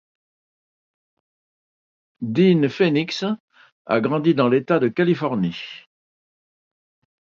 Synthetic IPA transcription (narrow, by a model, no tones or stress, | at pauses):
d̪infeniks | a̰ɡʁɑ̃d̪id̪ɑ̃let̪ad̪əkalifɔʁni